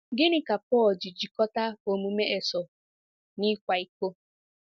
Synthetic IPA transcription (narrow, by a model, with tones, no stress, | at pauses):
ɡɪ˦nɪ˦ka˨pɔː˦˨ld͡ʒi˨d͡ʒi˨kɔ˦ta˦o˨mu˨me˦ʔe˨sɔ˨ | nɪ˦kʷa˨i˦ko˦